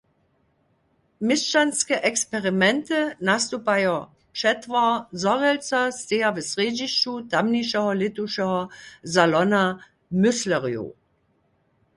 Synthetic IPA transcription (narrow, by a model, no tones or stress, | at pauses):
mɪst͡ʃanskɛʔɛkspɛʁimɛntɨnast̪upajo | pʃɛtvazɔʁɛlt͡sast̪eːavɛsʁeːd͡ʑiʃt͡ʃutamniʃɛɦɔlɪtuʃɛɦɔzalɔna | mʏslɛʁjṵ